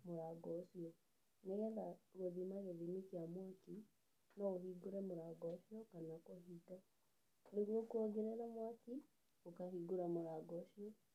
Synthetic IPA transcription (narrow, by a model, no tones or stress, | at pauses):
moɾaɡɔsiɔ | neɣɛðaɣweðimaɣeðimikiamwaki | nɔohiɡoɾɛmoɾaɡɔʃiɔkanakoɦitɔ | neɣwokuɔɡeɾeɾamwaki | okahiɡuɾamoɾaɡɔʃiɔ